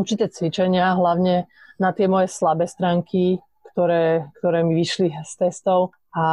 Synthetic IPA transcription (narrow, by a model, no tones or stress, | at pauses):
uɾt͡ʃit̪ɛːt͡sʋit͡ʃɛɲɪaɦlaʊɲɛnat̪ɪɛmɔjɛslabɛːst̪ɾaːŋkʰi | kt̪ɔɾɛːkt̪ɔɾɛːmiʋiʃlist̪ɛst̪ɔʊ | ʔa